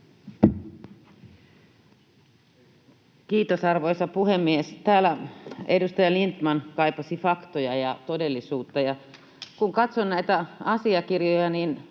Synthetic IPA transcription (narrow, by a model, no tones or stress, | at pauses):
kiːt̪osɑrʋojsɑpuhemːiest̪æːlːæedust̪ɑjɑlint̪mɑnkɑipɑsifɑkt̪ojɑjɑt̪ode̞lːisuːt̪ːɑjɑ | kuŋkɑt̪sonnæit̪æɑsiɑkirjojɑniːn